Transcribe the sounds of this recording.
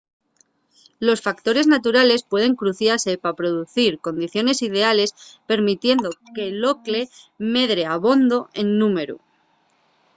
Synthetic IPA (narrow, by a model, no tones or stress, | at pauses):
lo̞sfakt̪o̞ɾe̞znat̪uɾale̞spwe̞ð̞e̞ŋkɾuθjaɾse̞papɾo̞ð̞uθiɾko̞nd̪iθjo̞ne̞sið̞e̞ale̞spe̞ɾmit̪je̞nd̪o̞ke̞lo̞kle̞me̞ðɾe̞aβo̞nd̪o̞e̞nːũme̞ɾṵ